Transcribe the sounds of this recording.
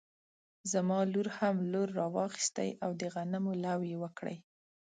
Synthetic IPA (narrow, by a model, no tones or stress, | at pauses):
zamɑluɾhamloɾːɑwɑxi̥st̪ə̰jʔawd̪əɣanamolawjewəkɽə̰j